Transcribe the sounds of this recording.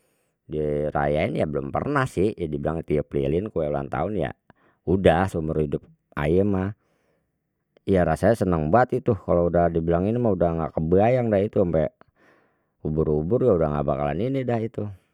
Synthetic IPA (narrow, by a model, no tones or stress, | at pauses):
diɾa̰jaɪnjabəlʊmpə̰rnahsɪhjadibilaŋt̪ujaplḭlɪnkuɛula̰nt̪a̰ʊnja̰ | udahsumərhidʊp̚ | a̰jəma | jaɾasajasənəŋbuat̪it̪ukaloudahdibilaŋinimaudahŋɡa̰kəbəajaŋdahit̪uampɛ | ubʊɾubʊrjaudaŋɡa̰ʔbakala̰ninidahit̪u